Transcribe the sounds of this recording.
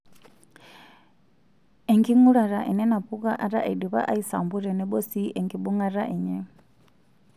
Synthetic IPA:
ɛ˨ŋɡi˦ŋu˦ɺa˨ɾa˨ʔɛ˨nɛ˦na˨pu˦ka˦ʔa˨ɾa˦ʔɛ˨du˨βa̰˦ʔa˦i˦sa̰˨mbu˦ɾɛ˨nɛ˦ɓɔ˦si˦ʔɛ˨ŋɡi˨ɓu˦ŋa˦ɾa˦ʔɛ˨ɲɛ˨

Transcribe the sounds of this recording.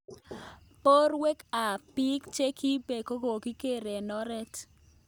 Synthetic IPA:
po˦rwe˦ka˨pi˦kt͡ʃe˦kʰi˦be˨ko˦ɡo˨ki˦ke˦˨ɾe˨nɔ˦ɾɛ˦t

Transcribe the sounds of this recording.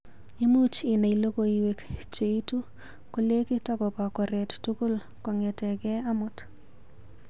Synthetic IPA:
i˦mu˦t͡ʃɪ˨na˨ilo˦ko˨iwe˨kt͡ʃe˨i˦tu˦ | ko˨le˦ki˦takɔ˨pa˨kɔ˨ɾɛ˨ttuko˦l | kɔ˨ŋɛtɛkɛ˦a˦mʊt

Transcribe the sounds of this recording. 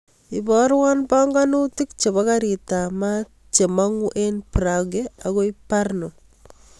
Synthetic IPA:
i˨bɔɾwa˦nba˦ŋɡa˦nu˦ti˦kt͡ʃe˨ba˦ka˦ɾi˨ta˨ma | t͡ʃe˨ma˦ŋu˦ʔe˦npɾaɡeaɣo˦i˦paɾno˨

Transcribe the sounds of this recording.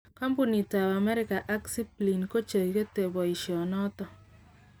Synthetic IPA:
ka˦mpu˨ni˨ta˨βa˨mɛ˦ɾɪ˨ka˨ʔa˦ksi˦pli˨nko˦t͡ʃe˨ike˦te˨βɔ˨iʃjɔ˨nɔ˦tɔ˦

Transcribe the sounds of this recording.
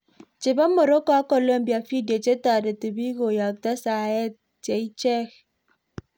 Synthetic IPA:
t͡ʃe˨ba˦mo˨ɾo˦kɔ˨˦a˦ko˨lo˦m˦bja˨fi˦dje˨t͡ʃe˦ta˨de˨ti˨bi˦ɣo˨ja˨k̚ta˦sa˨e˦ | t͡ʃe˨i˦t͡ʃɛ˦x

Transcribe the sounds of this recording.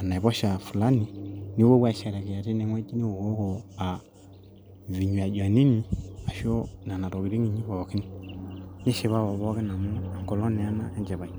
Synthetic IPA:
a˨na˨ɛ˨βɔ˦ʃa˨fu˨la˦ni˨ni˦wɔ˦bwa˦˨ʃa˨ɾa˨ki˨ja˨ti˦nɛ˨˦ŋwɛ˦i˦ni˦u˨wɔ˦kɔ˨a˨ | vi˨ɲu˨a˨d͡ʒa˨ni˦ni˨a˨ʃɔ˦na˨na˨tɔ˨ki˨ɾi˦ŋi˨ɲi˦βa˨ɔ˨ki˦ni˦ɲɛ˦ʃɛ˨βa˦βɔ˨βɔ˦kɛ˦na˨mu˦a˨ŋ˨kɔ˨lɔ˦nɛ˨a˦na˦ɛ˦nd͡ʒɛ˨βa˨i˨

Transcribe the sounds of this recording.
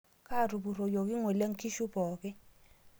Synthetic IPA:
kʰa˦˨ru˨bu˨ɾo˨jo˨ki˦ŋo˨le˦ŋ̩˦kʰi˦ʃu˦bɔː˨kɛ˦

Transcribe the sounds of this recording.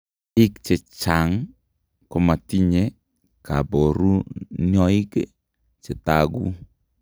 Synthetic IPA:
i˦kt͡ʃe˨t͡ʃa˨ŋ | kɔ˦ma˨ti˦ɲe˦ | ka˨bo˨ɾu˦njɔ˦i˦k | t͡ʃe˨taɡu˦

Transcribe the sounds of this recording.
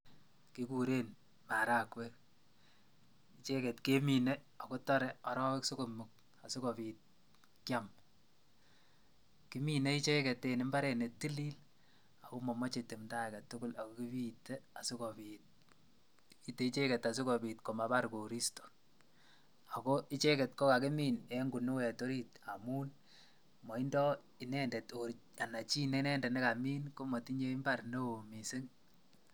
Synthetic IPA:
ki˦kuɾe˦n | ma˨ɾa˦kwɛ˦k | it͡ʃe˦kɛ˨tke˦mi˨ne˦ | a˨ko˦tɔ˦ɾɛ˦ɔ˨ɾɔ˦we˦kso˦ko˨mu˨k̚ | a˨su˦kɔ˨piː˨t̚ | kja˦m | ki˦mi˨ne˦i˦t͡ʃe˦kɛ˨tːe˨nɪ˦mba˦ɾe˨ne˨ti˦liː˦l | a˨ko˦mɔ˨mɔ˦t͡ʃe˨te˨mta˦˨ka˨tʊ˦kʊ˦la˨ko˦ki˦bi˦tːe˦a˨sɪ˦ko˨bi˨t̚ | i˦te˨i˦t͡ʃe˦ke˨ta˨s̬u˦kɔ˨bi˨tko˨ma˨ba˦ɾko˨ɾi˦sto̥˨ | a˨ko˦ʔi˦t͡ʃe˦ke˨t̚kɔ˦ka˨ke˦mi˦ne˦ŋɡu˨nu˦wɛ˨to˦ɾi˦ta˨mu˦n | mɔ˨i˦ndɔ˦ | i˨nɛ˦nde˨toɾ | a˨na˨t͡ʃiː˦ne˦nɛ˦ndɛ˨ne˦ka˨miː˦nko˦mɔ˨ti˦ɲe˦mba˦ɾne˦o˨mi˨se˦ŋ

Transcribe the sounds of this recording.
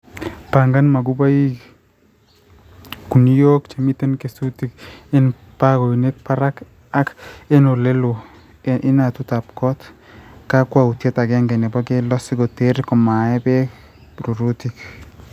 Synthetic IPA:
pa˨ŋɡa˦nma˨ɡu˦ba˦i˦ | ku˨ni˦jo˦kt͡ʃe˨mi˦t̪e˦nke˨su˦ti˦ke˦n | pa˦ɡo˨i˨ne˦k̚pa˦ɾa˦k | a˦ke˦no˨le˦lo˨ | ɪ˦na˨tu˦ta˨p̚kɔ˦t̪ | ka˦kwa˦u˨tje˦ta˨ɡɛ˦ŋɡɛ˨nɛ˨bɔ˦ɡe˦lɔ˦sɪ˦ɡo˨te˦ɾkɔ˨ma˨ɛ˦bɛ˦ | ɾu˨ɾu˦ti˨k

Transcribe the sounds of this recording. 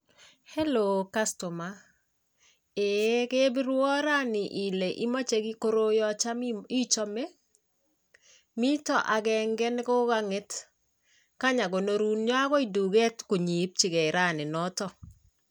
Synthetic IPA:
he˦lo˨ka˦sto˨ma˦ | e˨ke˦bi˦ɾwɔ˦ɾa˦nɪ˨ʔi˨le˨ʔi˦ma˦t͡ʃe˨ɡi˦ko˦ɾo˦jɔ˦t͡ʃa˦mi˦t͡ʃɔ˦me˦ | mi˦tɔ˨ʔa˨ɡɛ˨ŋɡɛ˦n˦kɔ˦ɡa˦ŋe˦t | ka˦ɲa˨ɡo˨no˨ɾu˦nɲɔ˦a˦kɔ˦i˨du˨ɡe˦tku˨ɲi˨˦p̚t͡ʃi˨ɡɛ˨ɾa˦nɪ˨nɔ˦tɔ˦˨

